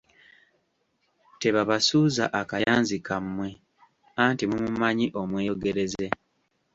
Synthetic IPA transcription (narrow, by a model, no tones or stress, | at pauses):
te̞βaβasuːza̰ʔakajaːnzikʰamːwe̞ | antimumumaɲiʔo̞mweːjoɡe̞ɾe̞ze̞